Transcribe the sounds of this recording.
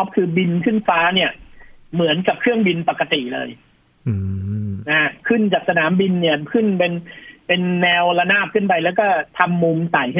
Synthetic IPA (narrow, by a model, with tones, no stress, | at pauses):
p̚kʰɯː˧bi˧nkʰɯ˥˩nfaː˦˥ni˥˩ɐmɯ˩˦ənka˨˩p̚kʰɯ˥˩əŋbi˧npa˨˩kːa˧t̪i˨˩lɤ̰ː˧j | na˦a˥kʰɯ˥˩nt͡ɕaː˨˩k̚sa˧naː˩˦mbi˧nːi˥˩ɐkʰɯ˥˩npe˧npe˧nːɛː˧wla˧naː˥˩p̚kʰɯ˥˩npa˧jlɛː˦˥wkɔː˥˩t̪ʰa˧mːu˧mt̪aː˨˩jɯ˥